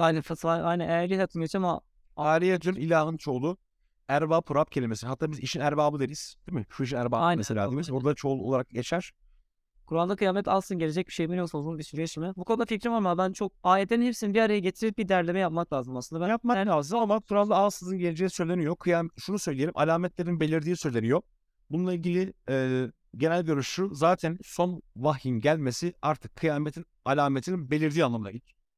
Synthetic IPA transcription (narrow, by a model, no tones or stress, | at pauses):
ajnænfat̪ʰvaajnænejæɾlʲiat̪ʰːɯnɟet͡ʃʰama | aːɾijed͡ʒ̪ynilʲaːɦɯnt͡ʃʰo̞lˠu | æɾbaːpʰuɾap̚cʰe̞lʲimesihat̪ːaːbiziʃinæɾbaːbɯd̪eɾijiz̥d̪̥imɪiʃinæɾbaajnmeselʲa̰ːimizbuɾd̪at͡ʃʰo̞lˠuolˠaɾakɟet͡ʃʰæɾ̥ | kʰuɾalˠd̪akɯjaːmɛt̪ʰalˠsɯnɟe̞led͡ʒɛc̚biʃejbinjoksozunbisyɾɛt͡ʃmɛbukʰoud̪aficɾivaɾmabænt͡ʃʰo̞k̚aːled̪eninepsinibiaɾajaɟet̪ʰiɾibid̪æɾlʲe̞mɛjapmaklʲˠaːzɯmasɯnd̪bæjap̚maaːzɯamakʰuɾalˠd̪aalˠsɯzɯnɟe̞lʲed͡ʒe̞jisø̞jlʲe̞nijokʰɯjaːmʃunusøjlʲije̞ɾḭmʔa̰lʲaːmɛt̪lʲe̞ɾinbe̞lʲiɾd̪iːsø̞jlʲe̞nijo | bununlˠailʲɟilʲiɛː | ɟe̞nælʲɟøɾyʃuzaːt̪ʰænso̞nvaxjinɟælʲme̞siaɾt̪ʰɯkʰːɯjaːmet̪ʰinalʲaːmet̪ʰininbe̞lʲiɾd̪iːanˠamɯna̰ɟit͡ʃ